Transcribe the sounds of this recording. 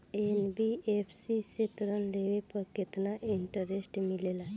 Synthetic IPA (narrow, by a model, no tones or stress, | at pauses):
enbiefsiset̪ɾənleʋepəket̪naʔiɳʈəɾesʈmilela